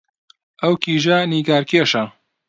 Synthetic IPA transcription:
ʔɐwkʰiːʒɐniːɡaːɾkʰeːʃɐ

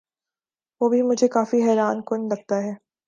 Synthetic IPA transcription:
ʋoːbʱimʊd͡ʒʱekaːfiɦɛːɾaːnkʊnlɐɡ̚t̪aɦɛː

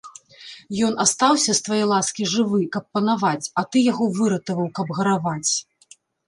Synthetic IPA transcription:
jɔn̪ast̪awsʲɐst̪vajɛjlˠaskʲiʐɨvɨkɐpːɐnavat͡sʲɐt̪ɨjaɣɔvɨɾɐt̪ɐvɐwkɐbɣɐɾavat͡sʲ

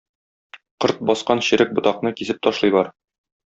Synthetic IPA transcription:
qɤɾt̪̚bɒsqɑnɕɘ̆ɾɘk̚bŏt̪ɑqnɤkisɘp̚t̪ɒʃlˠɤjbɒɾ

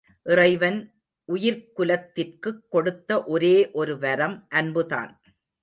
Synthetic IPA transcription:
ʔɪrɐɪʋɐn | ʔʊjɪɾkʊlɐt̪ːɪrkɯkːɔɽɯt̪ːɐʔɔɾeːʔɔɾɯʋɐɾɐmʔɐnbɯða̰ːn

